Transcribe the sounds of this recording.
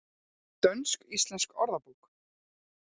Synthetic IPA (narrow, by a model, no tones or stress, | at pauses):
t̪œnskist̪lɛnskɔɾðapuːk